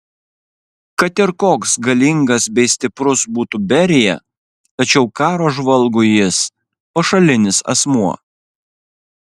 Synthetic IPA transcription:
kɐt̪ɪɾkoːksɡɐlʲɪŋɡɐsbʲɛɪsʲt̪ʲɪpɾʊsbuːt̪ubʲɛɾʲɪjɛ̰ | t̪ɐt͡ʃʲɛʊkɑːɾoːʒʋɐlˠɡʊjɪs | pɐʃɐlʲɪnʲɪsɐ̰smuɔ

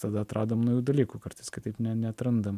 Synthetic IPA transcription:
t̪ɐd̪ɐɐt̪ɾʔɑːd̪oːmnɐʊjuːd̪ɐlʲiːkuːkɐɾt̪ɐɪskʲɪt̪ɐɪpnʲɛnʲɛɐt̪ɾɐnd̪ɐm

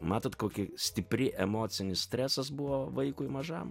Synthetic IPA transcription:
mɑːt̪oːt̪koːkʲɪsʲt̪ʲɪpʲɾʲɪʔɛmoːsʲɪnʲɪssʲt̪ʲɾʲɛsɐsbʊʋoːʋɐɪkʊɪmɐʒɑ̰m

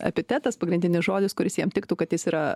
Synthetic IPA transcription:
ɐ̰pʲɪt̪ʲɛt̪ɐspɐɡɾʲɪnʲd̪ʲɪnʲɪsʒoːd̪ʲɪskʊɾʲɪsjiɛmt̪ʲɪkt̪uːkɐt̪jɪsiːɾɐ

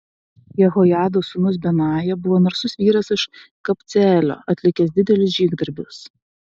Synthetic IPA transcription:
jɛɣojɑːd̪osʊnʊs̬bʲɛnɑːjɛbʊʋoːnɐɾsʊsʋʲiːɾɐsɪʃkɐpʲt̪sʲæːlʲo̰ːɐt̪ʲlʲɪkʲɛsd̪ʲɪd̪ʲɛlʲʊsʒʲiːɡd̪ɐɾʲbʲʊs

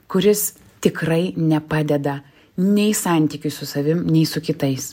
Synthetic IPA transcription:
kʊɾʲɪs | t̪ʲɪkɾɐɪnʲɛpɑːd̪ʲɛd̪ɐ | nʲɛɪsɑˑnʲt̪ʲiːkʲʊssʊsɐʋʲɪmnʲɛɪsʊkʲɪt̪ɐɪs

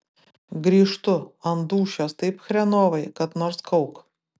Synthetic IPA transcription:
ɡɾʲiʂt̪ʊɐnd̪uːɕɔst̪ɨjpxɾʲɛnɔʋɐjkɐt̪nɔɾskɔwk

